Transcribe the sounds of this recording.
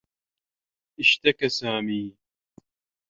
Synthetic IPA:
ʔɪʃt̪akasaːmiː

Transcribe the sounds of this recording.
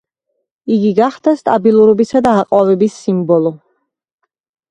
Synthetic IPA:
iɡiɡaχd̪̥ast̪ʼabilˠuɾɔbisad̪aːqʼwavɛbisːimbɔlˠɔ

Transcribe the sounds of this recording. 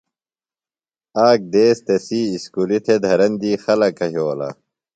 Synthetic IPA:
aːk̚d̪eːst̪esiːskulit̪ʰed̪ʱɐɾɐnd̪iːxɐlɐkɐɦjoːlɐ̰

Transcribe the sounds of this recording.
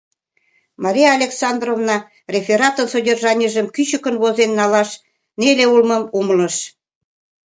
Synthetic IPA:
mɑɾʲijɑːlʲeksɑnd̪rovnɑ | rʲefʲeɾɑt̪ənsodʲerʒɑnʲiʒəmkyɕəkə̆nβozenːɑlɑʃ | neleulmə̆mumələ̆ʃ

